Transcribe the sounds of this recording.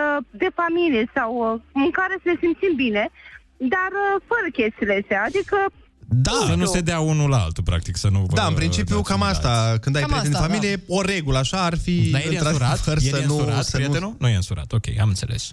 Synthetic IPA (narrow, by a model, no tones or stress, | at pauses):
əd̪e̞familijesawɨŋkaɾe̞səle̞simpt̪simbine̞ | d̪arəfəɾəkʲe̞st̪ilesead̪ikə | d̪asənuse̞d̪eaunulaa̰lt̪upɾa̰k̚t̪iksənud̪aɨnmpɾint͡ʃipijukamastt̪akɨnd̪ajpɾeeefamilije̞o̞ɾe̞ɡuləaʃaːrfid̪ajɨeɾaɾakəɾjseənuɾat̪səieuenunujeɨnsuɾa̰t̪o̞kʲḛja̰mɨnt̪se̞le̞̰s